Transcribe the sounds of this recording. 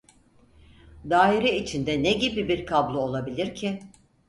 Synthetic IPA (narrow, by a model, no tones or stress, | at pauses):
d̪aːiɾɛit͡ʃʰind̪ɛneɟibibiɾkʰablˠuo̞lˠabilʲiɾcʰɪ